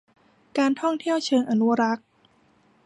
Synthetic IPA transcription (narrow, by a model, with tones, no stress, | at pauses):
kaː˧nt̪ʰɔ˥˩ŋt̪ʰi˥˩əwt͡ɕʰɤː˧ŋʔa˧nu˦˥ɾa˦˥k̚